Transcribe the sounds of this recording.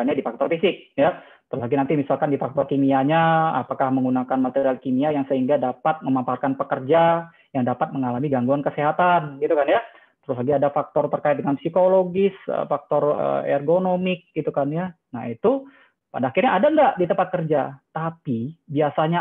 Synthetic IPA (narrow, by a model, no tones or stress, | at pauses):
aɲadifak̚t̪ɔrfisɪk̚ja | t̪əɾʊslaɡinant̪imisalkandifak̚t̪ɔrkimiaɲaa̰pakahməŋɡunakanmat̪eɾialkimiajaŋsəɦiŋɡadapat̪̚məmamparkanpəkərd͡ʒa | jaŋdapat̪̚məŋalamiɡaŋɡuankəseɦat̪anɡit̪ukanja | t̪əɾʊslaɡiadafak̚t̪ɔrt̪ərkaɪt̪̚dəŋanpsikoloɡɪsə̰fak̚t̪ɔrə̰ɛ̰rɡonomɪk̚ɡit̪ukanja | naɦit̪u | padaːxirɲaːdaŋɡaʔdit̪əmpat̪̚kərd͡ʒat̪apibiasaɲa